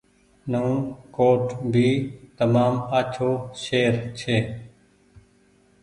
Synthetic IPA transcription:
nəũːkoːʈbʱiːt̪əmaːmaːt͡ʃʰoːʃeːɾt͡ʃʰeː

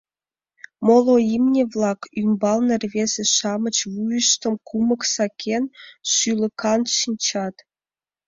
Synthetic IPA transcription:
molˠoimnʲevlˠɑkymbɑlˠnɤ̆rʲvʲezʲĕʃɑmə̆t͡ɕvujə̆ʃt̪ɤ̆mkʰumɤ̆ksɑkʲʰenʃylʲə̆kʰɑnʃinʲt͡ɕɑt̪

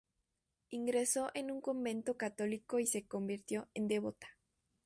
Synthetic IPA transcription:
iŋɡɾe̞so̞ʔenuŋko̞mbe̞nt̪o̞kat̪o̞liko̞ise̞ko̞mbiɾt̪jo̞end̪eβot̪ḁ

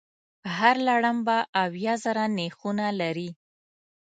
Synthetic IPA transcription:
əɦaɾlaɽəmbaʔawjɑzəɾanexunalaɾi

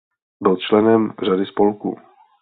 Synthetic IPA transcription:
bɪlt͡ʃlɛnɛmradɪspolkṵː

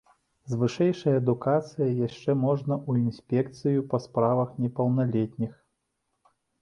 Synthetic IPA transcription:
zvɨʂɛjʂɐjɐːd̪ukat̪sɨjɐjaʂt͡ʂɛmɔʐnɐʔuinsʲpʲɛkt̪sɨjupɐspɾavɐxnʲɛpɐwnalʲɛt̪ʲnʲix

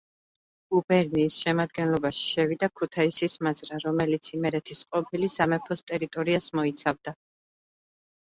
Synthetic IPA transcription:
ubɛɾniːsʃɛmad̪̚ɡɛnlˠɔbaʃi̥ʃɛvid̪akʰut̪ʰaisismazɾaɾɔmɛlit̪sʰimɛɾɛt̪ʰisqʼɔpʰilisamɛpʰɔst̪ʼɛɾit̪ʼɔɾiasmɔit̪sʰavd̪a

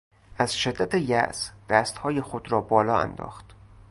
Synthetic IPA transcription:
ʔæz̥ʃe̞d̪ːæt̪ʰejæ̰ʔsd̪̥æːst̪hɒːjexod̪ɾɒːbɒːlɒːæ̰nd̪ɒ̰ːxt̪

